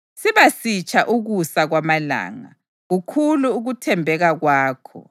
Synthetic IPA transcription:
siβasit͡ʃʰʼaʔuɣusaɣwamala̰ːŋa̰ | ɣukʰuluːɣutʰɛmbʱɛɣaɣwaːkʰɔ̰

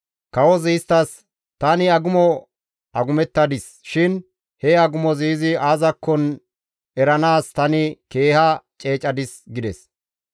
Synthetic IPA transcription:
kɐwɔziːst̪ːɐs | t̪ɐnɪɐɡʊmɔ | ʔɐɡʊmɛt̪ːɐd̪ɪs | ʃɪn | hɛɐɡʊmɔziːzɪaːzɐkːɔn | ɛɾɐnaːst̪ɐnɪke̞ːhɐt͡ʃʼe̞ːt͡ʃʼɐd̪ɪsɡɪd̪ɛs

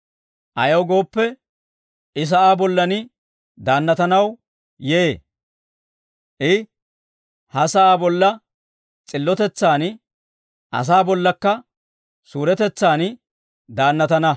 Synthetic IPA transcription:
ʔɐjɐwɡo̞ːpːɛ | ʔɪs̬ɐʔaːbɔlːɐnɪ | d̪aːnːɐt̪ɐnɐw | je | ʔɪ | hɐsɐʔaːbɔlːɐ | t͡sʼɪlːɔt̪ɛt͡sːaːn | ʔɐ̰s̬aːbɔlːɐkːɐ | suːɾɛt̪ɛt͡sːaːn | d̪aːnːɐt̪ɐnɐ

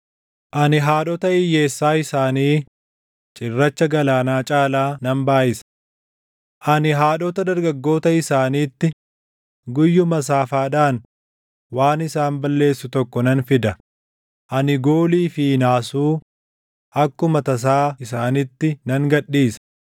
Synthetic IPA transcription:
ʔɐnɪɦaːᶑɔt̪ɐɪjːe̞ːsːaːɪsaːniː | t͡ʃʼɪrːɐt͡ʃːɐɡɐlaːnaːt͡ʃʼaːlaːnɐmbaːʔɪsɐ̥ | ʔɐnɪɦaːᶑɔt̪ɐd̪ɐɾɡɐɡːo̞ːt̪ɐɪsaːniːt̪ːɪ | ɡʊjːʊmɐs̬aːfaːᶑaːn | waːnɪsaːnbɐlːe̞ːsːʊt̪ɔkːɔnɐnfɪd̪ɐ | ʔɐnɪɡo̞ːliːfɪnaːsuː | ʔɐkːʊmɐt̪ɐs̬aːɪsaːnɪt̪ːɪnɐŋɡɐɗiːsɐ̥

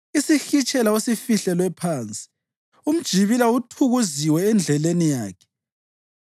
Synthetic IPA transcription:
isiɬit͡ʃʼɛlaosifiɬɛlwɛpʰaːnt͡sʼi̥ | um̩d̥ʒ̥ʱiβilautʰuɣuziwɛːnd͡ɮʱɛlenijaːkʰɛ̥

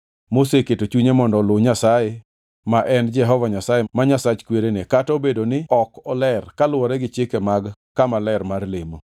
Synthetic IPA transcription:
moseketot͡ʃuɲemɔndɔloɲasaje | maʔɛnd͡ʒɛɦɔvaɲasajemaɲasat͡ʃkweɾenekatobedonɪɔkɔlɛrkalʊwɔɾɛɡɪt͡ʃɪkɛmaɡkamalɛrmarlɪmo

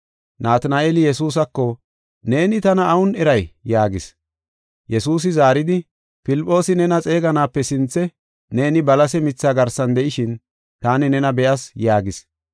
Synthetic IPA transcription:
naːt̪naʔeːlɪjɛsuːs̬ɐkːɔ | ne̞ːnɪt̪ɐnɐːwʊnɛɾɐjjaːɡɪs | jɛsuːs̬ɪzaːɾɪd̪ɪ | pɪlɪpʼːo̞ːsɪnɛnɐt͡sʼe̞ːɡɐnaːpːɛsɪnt͡sːɛ | ne̞ːnɪbɐlɐsɛmɪt͡sːaːɡɐɾsɐnd̪ɛʔɪʃɪn | t̪aːnɪnɛnɐbɛʔɐsjaːɡɪs

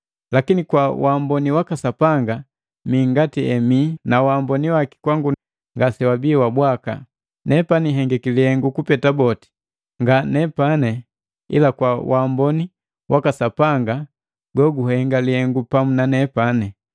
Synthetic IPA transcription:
lakinikwawambɔniwakasapaŋɡa | miːŋɡatiɛminawambɔniwaki̥kwaŋɡu | ŋɡasɛwabiwabwaka̰ | nɛpaniɦɛŋɡɛkilihɛŋɡukupɛtabɔti̥ | ŋɡanɛpanɛ | ḭlakwawʔambɔni | wʔakasapaŋɡa | ɡɔɡuhɛŋɡalihɛŋɡupamunanɛpanɛ

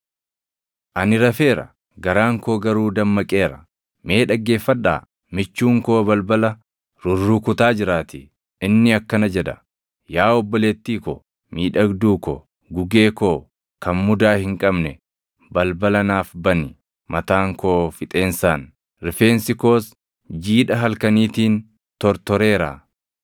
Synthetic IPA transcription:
ʔɐnɪɾɐfe̞ːɾɐ̰ | ɡɐɾaːŋko̞ːɡɐɾuːd̪ɐmːɐkʼe̞ːɾɐ | me̞ːᶑɐɡːe̞ːfːɐᶑa̰ː | mɪt͡ʃːuːŋko̞ːbɐlbɐlɐ | ɾʊrːuːkʊt̪aːd͡ʒɪɾaːt̪ɪ | ʔɪnːɪɐkːɐnɐd͡ʒɛd̪ɐ | jaːɔbːɔleːt̪ːiːkɔ̰ | miːᶑɐɡd̪uːkɔ̰ | ɡʊɡe̞ːkoː | kɐnmʊd̪aːhɪŋkʼɐbnɛ | bɐlbɐlɐnaːfbɐnɪ | mɐt̪aːŋko̞ːfɪt̪ʼe̞ːnsaːn | ɾɪfeːnsɪko̞ːs | d͡ʒiːᶑɐɦɐlkɐniːt̪iːn | t̪ɔɾt̪ɔɾe̞ːɾa̰ː

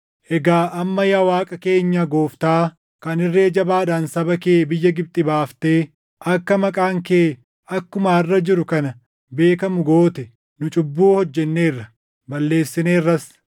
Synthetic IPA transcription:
ʔɛɡaːʔɐmːɐjɐwaːkʼɐke̞ːɲːɐɡo̞ːft̪aː | kɐnɪrːeːd͡ʒɐbaːd̪aːnsɐbɐkeːbɪjːɐɡɪb̚t̪ʼɪbaːft̪eː | ʔɐkːɐmɐkʼaːŋkeː | ɐkːʊmaɪrːɐd͡ʒɪɾʊkɐnɐ | be̞ːkɐmʊɡo̞ːt̪ɛ | nʊt͡ʃʼʊbːuːhɔd͡ʒːɛnːe̞ːrːɐ | bɐlːe̞ːsːɪneːrːɐs

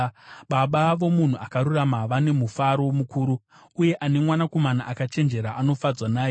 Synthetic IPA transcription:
ɓaɓaʋo̞mun̤uakaɾuramaʋane̞mufaɾomukuːɾu | uje̞ʔane̞mwanako̞manaʔakat͡ʃe̞nd͡ʒe̞ɾaʔano̞fad͡zwanaːje

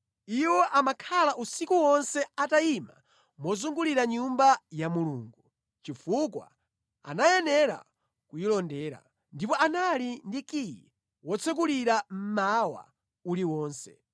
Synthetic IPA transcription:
iwɔʔamakʰalaʔusikuwɔnsɛataima̰ | mɔzuŋɡuliɾaɲumbajamuluːŋɡu | t͡ʃifukwa̰ | a̰najɛnɛɾa̰ | kujilɔndɛːɾa̰ | ndipɔʔanalindikiji | wɔt͡sʰɛk̬uliɾam̩mawa̰ | uliwɔːnsɛ̥̰

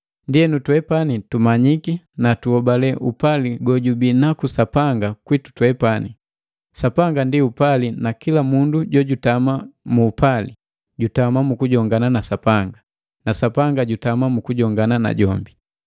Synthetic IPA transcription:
ndiɛnutwɛpanitumaɲiki | natuɔbalɛʔupaliɡɔɟubinakusapaŋɡakwitu̥twɛpani | sapaŋɡandiupalinakilamunduɟɔɟutamamuːpalḭ | ɟutamamukuɟɔŋɡananasapaŋɡa | nasapaŋɡaɟutamamukuɟɔŋɡanana̰ɟɔmbi

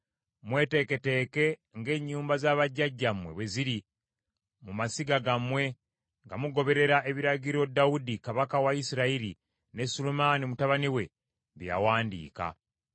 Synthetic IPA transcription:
mwe̞ːte̞ke̞te̞ːke̞ŋɡe̞ːɲːuːmbazaːβaɟːaɟːamwe̞βwe̞ziɾi | mumasiɡaɡamwe̞ | ŋɡamuɡo̞βe̞ɾe̞ɾaʔe̞βiɾaɟiɾo̞dawudikaβakawaisiɾaiɾi | ne̞sulumaːnimutaβaniwe̞ | βja̰waːndḭːka̰

